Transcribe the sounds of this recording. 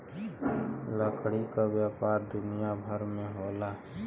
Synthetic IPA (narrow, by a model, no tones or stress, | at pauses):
ləkɽikaʋjaːpaːɾd̪ʊnɪjabʱəɾmẽɦoːlaː